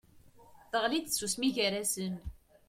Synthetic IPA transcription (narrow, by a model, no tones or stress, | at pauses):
θəʁlid̪sːusmiʝæɾæsən